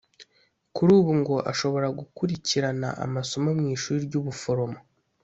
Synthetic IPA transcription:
kuɾuːβuŋɡo̞ʔa̰ʃo̞βo̞ɾaɡukuɾiciɾana̰ʔa̰masomamŋiːʃuːɾiɾɟuːβufo̞ɾo̞mo

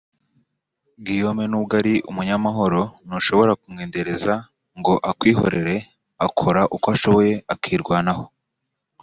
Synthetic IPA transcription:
ɡijomenubɡaɾiʔumuɲamaɦo̞ɾo̞noʃo̞βo̞ɾakumŋeːnde̞ɾe̞za | ŋɡo̞ʔakwiːɦo̞̰ɾe̞ɾe̞ | akʰo̞ɾaʔukoaʃoβo̞je̞akʰiːɾɡwanaho̥

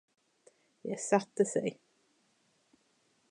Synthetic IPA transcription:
jɛ̰jsat̪ːəsɛ̰j

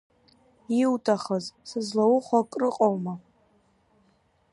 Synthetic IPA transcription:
iwtʰʼaχəzsɨzlawʊχʷakʼrɨqʼowma

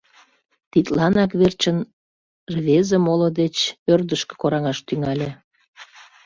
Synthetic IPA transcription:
t̪it̪lɑnɑkβert͡ɕən | rβezə̆molod̪et͡ɕørd̪əʃke̥koɾɑŋɑʃt̪yŋɑlʲe

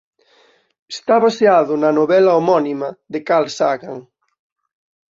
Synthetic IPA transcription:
est̪aβaseaðʊnɐnoβɛlaomɔnimɐðekalsaɣaŋ

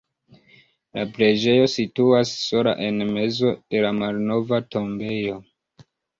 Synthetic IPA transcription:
lapɾe̞d͡ʒe̞jo̞situasːo̞la̰ʔe̞nme̞zo̞d̥e̞lamalno̞vatʰo̞mbe̞jo̞

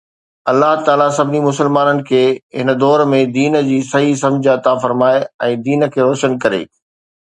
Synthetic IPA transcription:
ɐlːaɦt̪aːlasɐbnimʊsəlmaːnənɪ̆kʰeːɦɪnə̆d̪ɔːɾmẽd̪iːnd͡ʑiːsɐɦis̬ɐ̃md͡ʑʱɐt̪afɐɾmaːeɛ̃ːd̪iːnə̆kʰeːɾɔːʃənkɐɾḛː

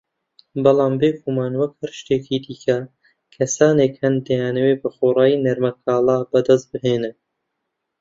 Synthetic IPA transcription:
bɨlˠɑːmbeːkʰuːmaːnwɐkhæɾʃt̪eːkʰiːd̪iːkʰɐ | kʰɐsaːneːkhɐnd̪ɐjaːnɐweːbɐxoːrɑːjinɐɾmɐkʰaːlɑːbɐd̪ɐst̪̚bɨɦeːnɨ

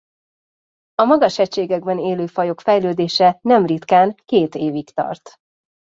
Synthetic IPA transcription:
ɒmɒɡɒʃɛct͡ʃːeːɡɛɡ̚bɛneːløːfɒjo̞kfɛjløːd̪eːʃɛnɛmrit̪kaːnkeːt̪eːvikt̪ɒ̰rt̪

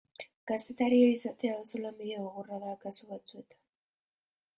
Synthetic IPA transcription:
ɡ̥ast̪e̞t̪aɾioisat̪e̞aðosolamiðeɣoɣoraðakasuβat͡sue̞t̪ḁ

